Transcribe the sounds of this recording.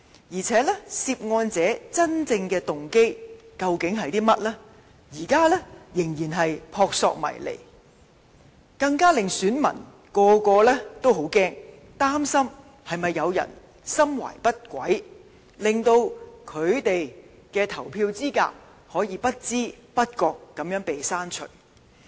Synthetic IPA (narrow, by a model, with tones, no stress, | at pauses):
jiː˨˩t͡sʰɛː˨˥lɛ˥siː˧p̚ŋɔː˧nt͡sɛː˨˥t͡sɐ˥nt͡sɪ˧ŋkɛː˧t̪ʊ˨ŋke˥jkɐ˧wkɪ˨˥ŋɦɐ˨jt̪iː˥mɐ˥t̚lɛː˥ | jiː˨˩kaː˥lɛː˥jɪ˨˩ŋjiː˨˩nɦɐ˨jpʰɔː˧k̚sɔ̰ː˧k̚mɐ̰˨˩jlḛ˨˩j | kɐ˧ŋkaː˥lɪ˨ŋsyː˨˥nmɐ̰˨˩n | kɔː˧kɔː˧lɛː˥t̪o˥wɦo˨˥wkɛː˥ŋ | t̪aː˥msɐ˥m | hɐ˨jmɐ˨jːɐ˨˧wjɐ̰˨˩n | sɐ˥mwa̰ː˨˩jpɐ˥t̚kʷɐ˨˥j | lɪ˨ŋt̪o˧wkʰɵ˨˧ɥt̪e˨j | kɛː˧t̪ʰɐ˨˩wpʰiː˧wt͡siː˥ka̰ː˧k̚ | hɔː˨˥jiː˨˧pɐ˥t̚t͡siː˥pɐ˥t̚kɔː˧kːɐ˨˥mjœː˨˥ŋpe˨jsaː˥nt͡ʃʰɵ̰˨˩ɥ